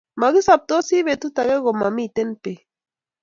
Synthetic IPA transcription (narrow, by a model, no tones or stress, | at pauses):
maɡisap̚t̪osiβet̪ut̪aɣeɡomamit̪enpe